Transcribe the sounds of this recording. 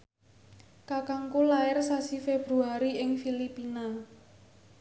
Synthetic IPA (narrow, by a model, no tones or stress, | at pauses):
kakaŋkulaɪrsasifeb̥ɾuaɾiɪŋfilipina